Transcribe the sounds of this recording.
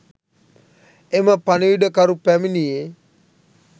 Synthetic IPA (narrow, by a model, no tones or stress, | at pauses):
emapaniidəkaɾupɛminije